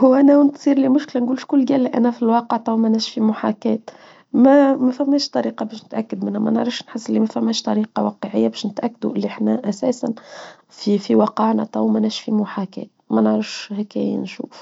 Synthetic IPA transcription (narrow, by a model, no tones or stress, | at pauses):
hʊwʔænæwɪnt̪siːɾlimʊʃklænɡuːlʃkʊlːɡæːlːiʔæ̰næfilwɑːqəʕt̪ˤɑwmænæʃfimʊħakɛːt̪ | mæmæfæmːɛːʃt̪ˤɑɾiːqɑbɛːʃnɪt̪ʔækːad̪mɪnːæmæ̰nəʕɾɑfʃnħəsːɪlːimæfæmːɛːʃt̪ˤɑɾiːqɑwɑqəʕɪjːabɛːʃnɪt̪ʔækːad̪uʔɪlːiʔəħnæʔæsæːsæn | fifiwɑqɑʕnæ̰t̪ˤɑwmænæʃfimʊħakɛ̰ːt̪̚mænəʕɾɑfʃhækæ̰jæ̰nʃṵːf